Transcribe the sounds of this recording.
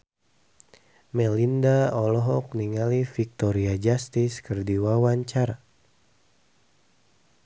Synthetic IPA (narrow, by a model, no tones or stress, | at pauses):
mɛlindaɔlɔɦɔk̚niŋalifik̚t̪ɔɾiad͡ʒast̪iskərdiwawaɲt͡ʃar